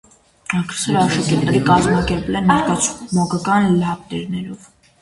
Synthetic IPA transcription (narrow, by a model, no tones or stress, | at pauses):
ɑkʰɾɛ̥sɛɾɑʃɑkɛɾt̪ɛɾikɑzmɑkɛɾpɛlɛnmɑɾkɑt͡sʰmɔkɑkɑnlɑpt̪ɛɾnɛɾɔv